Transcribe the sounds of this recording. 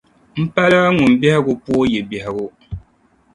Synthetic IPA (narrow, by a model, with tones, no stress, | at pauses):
m̩˦pa˦la˦ŋʊ˨m˨bɛ˦hɪ˦ɡʊ˦pu˦jɛ˨bɛ˨hɪ˨ɡʊ˦